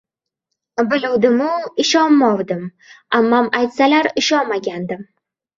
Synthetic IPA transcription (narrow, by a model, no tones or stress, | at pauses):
bɪluwd̪ɪmʊɪʃɒnmɒwd̪ɪm | amːamajt̪salaɾɪʃɒnmaɡʲand̪ɪm